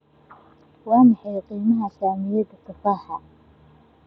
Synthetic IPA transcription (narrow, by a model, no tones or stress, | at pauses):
wɑːmɑħɑjqiːmɐɦɐsaːmɪjɐd̪ɐkʰɪfaːħɐ